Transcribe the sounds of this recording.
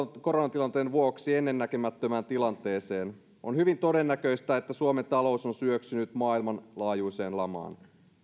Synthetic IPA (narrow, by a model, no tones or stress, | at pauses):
ko̞ɾonɑt̪ilɑnt̪eːnʋuoksie̞nːe̞nːækemæt̪ːømæːnt̪ilɑnt̪e̞ːse̞ːn | o̞nhyʋint̪o̞de̞nːækø̞ist̪æet̪ːæsuoment̪ɑlo̞uso̞nsyøksynyt̪mɑːilmɑnlɑːjuise̞ːnlɑmɑ̰ːn